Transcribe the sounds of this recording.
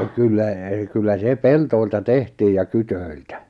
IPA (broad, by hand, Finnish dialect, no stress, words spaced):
kylːæ kylːæ se peltoiltɑ tehtiːj jɑ kytøiltæ